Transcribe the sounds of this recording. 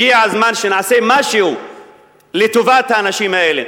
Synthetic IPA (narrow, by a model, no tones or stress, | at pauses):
iaazmanʃenaʕasemaʃehu | let̪ovat̪haːnaʃimaelḛ